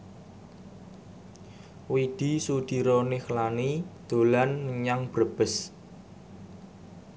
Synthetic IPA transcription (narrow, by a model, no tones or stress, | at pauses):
wid̪̥i̤sud̪̥i̤ɾonexəlanid̪̥o̤lanːəɲaŋb̥ɾəb̥ə̤s